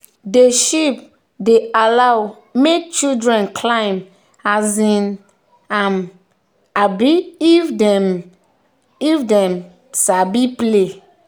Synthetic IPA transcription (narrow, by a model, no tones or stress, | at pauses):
deʃip | dealaw | mek̚t͡ʃildɹɛ̃nkʰlãɪm | azĩn | ãn | abiifdɛm | ifdɛ̃m | sabiple